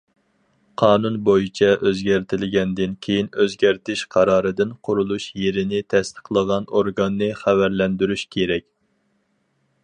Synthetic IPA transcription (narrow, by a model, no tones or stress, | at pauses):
qʰɑːnunbojit͡ʃʰɛʔøzɡʲæɾt̪ʰɪlɪɡʲɛnd̪ɪnkʲʰejinøzɡʲæɾt̪ɪʃqʰɑɾɑːɾɨd̪ɨnqʰʊɾulˠuʃjeɾɪnɪt̪ʰɛst̪ʰə̥qlˠəʁɑnoɾɡɑnːɨχævæɾlɛnd̪yɾyʃkʲʰeɾɛkʲ